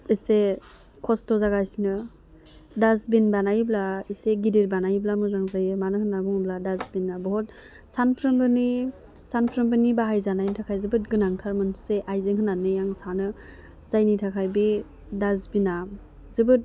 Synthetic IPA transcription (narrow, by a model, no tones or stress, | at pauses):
ise | kʰɔstɔzaɡajsnɯ | dasbinbanajblaiseɡidiɾbanajblamɯzaŋzajɯmanɯhɯnabuŋbladazbinɡabɔɦɔt̚ | sanpʰɾɯmbɯni | sanpʰɾɯmbɯnibaɦajzanajnitʰakʰajzɯbɯt̚ɡɯnaŋtʰaɾmɯnseʔajzeŋhɯnanɯjaŋsanɯ | zajnitʰakʰajbi | dazbina | zɯbɯt̚